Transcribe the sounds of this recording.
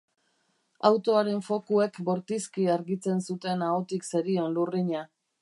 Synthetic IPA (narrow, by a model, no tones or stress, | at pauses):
awt̪o̞aɾe̞ɱfo̞kue̞kbo̞ɾt̪iskiaɾɣit͡se̞nsut̪e̞naot̪ikse̞ɾio̞nluriɲa